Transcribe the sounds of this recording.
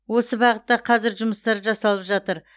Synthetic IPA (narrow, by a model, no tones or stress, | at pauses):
wo̞səbɑʁət̪ːɑqʰɑzɪɾʒʊməst̪ɑɾʒɑsɑlˠəpʒɑt̪əɾ